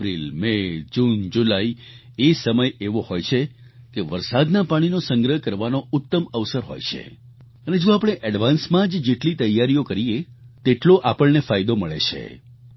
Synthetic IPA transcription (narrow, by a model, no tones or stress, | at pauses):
pɾilmed͡ʒund͡ʒulai | esəməjeʋohojt͡ʃʰe | keʋəɾsad̪napaɽ̃inosə̃ŋɡɾəɦəkəɾʋanoʊt̪ːəməʋsəɾɦo̰jt͡ʃʰḛ | əned͡ʒõapəɽ̃eʔəɖʋansmãd͡ʒd͡ʒeʈlit̪əjːaɾijokəɾijet̪eʈloʔapəɭnefajd̪oməɭḛt͡ʃʰḛ